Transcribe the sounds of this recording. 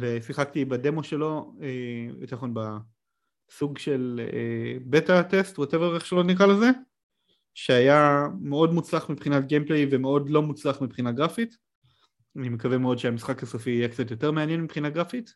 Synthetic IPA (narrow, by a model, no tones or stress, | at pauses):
vesiχakt̪ibade̞mo̞ʃe̞lo̞eḭtaχo̞nba | suɡʃe̞lebe̞tatestwateveeχʃalotnikʁaleze | ʃeajame̞o̞dmut͡slaχmipχinatɡemplejve̞me̞o̞dlo̞mut͡slaχmipχinaɡʁafit | anime̞kavemeo̞dʃeamisχakhasofiːjekt͡satjo̞te̞ʁmeanjenmipχinaɡʁafit